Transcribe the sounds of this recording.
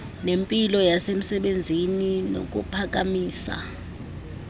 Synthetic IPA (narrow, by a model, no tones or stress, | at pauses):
nempʼilɔjasem̩sɛɓend͡zʱinino̰k̬ʼupʰak̬ʼamiːsa̰